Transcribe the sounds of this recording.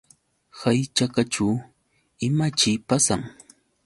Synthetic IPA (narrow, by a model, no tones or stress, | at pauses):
hajt͡ʃakat͡ʃu | ɪmat͡ʃɪjpasaŋ